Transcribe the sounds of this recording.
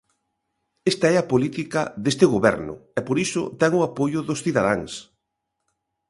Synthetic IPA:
est̪aɛɐpolit̪ikɐðest̪ɪɣoβɛ̰ɾnʊ̰ɛpoɾisʊ̰t̪ɛŋʊapojʊðʊsθiðaðaŋs

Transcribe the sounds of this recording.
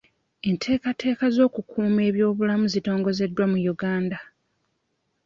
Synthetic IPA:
e̞ntʰe̞ːkatʰe̞ːkazo̞ːkukʰuːme̞ːβjo̞ːβulamuzito̞ːŋɡo̞ze̞dːwamujuɡaːnda

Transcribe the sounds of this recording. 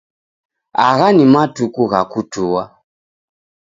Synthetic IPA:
aɣanimatukuɣakutuwa

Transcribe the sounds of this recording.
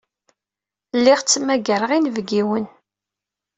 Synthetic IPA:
lːiʁt͡sːmæɡəɾəʁinvɡiwən

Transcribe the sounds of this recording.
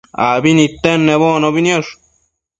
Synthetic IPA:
a̰binit̪enːeβonobinoʂ

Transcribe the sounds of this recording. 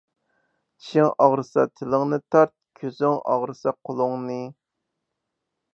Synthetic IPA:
i̥ʃɪŋɑʁɾɨsɑt̪ʰɪlˠɨŋnɨt̪ʰɑɾt̪̚kʲʰøzyŋɑ̰ʁɾɨsɑqʰolˠʊŋnɨ

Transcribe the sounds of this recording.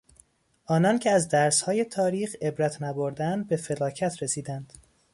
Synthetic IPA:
ʔɒːnɒncʰeæzd̪æɾshɒːje̞t̪ʰɒːɾiːxe̞bɾæt̪ʰnæboɾd̪ænd̪̚be̞fe̞lɒːcʰæt̪ʰɾesiːd̪ænd̪̥

